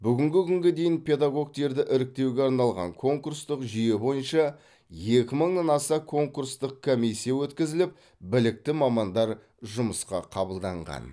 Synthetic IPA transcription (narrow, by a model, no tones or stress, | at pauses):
bʏɡʲɪŋɡʲɪkʲʰʏŋɡʲed̪e̞jɪnpʰʲe̞d̪aɡo̞ɡ̚t̪e̞ɾd̪ɪʔɪɾɪk̚t̪e̞wɡʲe̞ɑɾnɑlˠʁɑ̰ŋkʰo̞ŋkurst̪əqʒʏje̞bo̞jənʃɑ | je̞kʲɪməɴnɑnɑsɑkʰo̞ŋkurst̪əq̚kʰomijsːijawɵt̪kʲɪzɪlɪp̚ | bɪlɪk̚t̪ɪmɑmɑnd̪ɑɾ | ʒʊməsqɑ̰qʰɑbəlˠd̪ɑɴʁɑ̰n